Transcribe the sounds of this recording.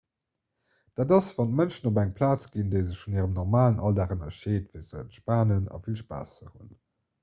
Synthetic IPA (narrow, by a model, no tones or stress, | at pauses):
d̥aːdɑsv̥ɑnt̚mənʃənobæŋpʰlaːt͡sɡ̥indeɪzəɕfuniːʁəmnɔʁmaːlənʔɑldæʁənɐʃeːtvizəʃpaːnənɑ̰filʃpa̰ːsə̰hun